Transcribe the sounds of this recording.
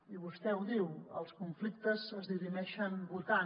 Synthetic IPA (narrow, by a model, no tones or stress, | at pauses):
iβust̪ɛwðiwə̰lˠskuɱflik̚t̪əzəzðirimɛʃəmbulˠt̪a